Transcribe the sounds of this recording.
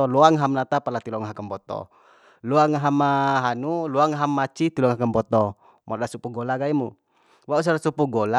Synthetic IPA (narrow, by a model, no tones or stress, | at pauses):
ɔluaŋɦamlat̪apalat̪ilɔŋɦakambɔt̪ɔ̰ | luaŋaɦamaɦanuluaŋaɦamːat͡ʃit̪ilɔŋɦakəmbɔt̪ɔ | mʔɔdasupuɡɔlaɡaimu | waus̬aɾasupuɡɔla